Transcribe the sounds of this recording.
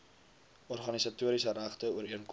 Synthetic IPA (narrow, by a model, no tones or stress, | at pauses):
ɔrχɐnisɐtuəɾisəɾæχtəuəɾiənk